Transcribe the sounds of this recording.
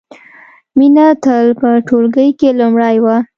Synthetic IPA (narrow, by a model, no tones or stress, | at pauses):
minat̪əlpəʈolɡəjkelʊmɽəjwa